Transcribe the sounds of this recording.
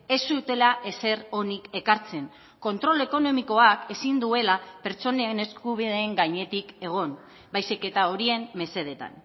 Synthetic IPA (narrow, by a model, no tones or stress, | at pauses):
e̞sut̪e̞laʔe̞se̞ɾo̞nike̞kaɾt͡se̞ŋ | ko̞nt̪ɾo̞le̞ko̞no̞miko̞ake̞sind̪ue̞lape̞ɾt͡so̞nene̞skuβ̞iðe̞ːŋɡaɲe̞t̪ike̞ɣ̞o̞n | bajsike̞t̪ao̞ɾie̞mme̞se̞ð̞e̞t̪a̰n